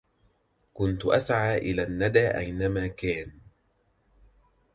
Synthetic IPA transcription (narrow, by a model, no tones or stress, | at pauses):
kʊnt̪ʊʔasʕaːʔɪlaːnːad̪aːʔajnamaːkaːn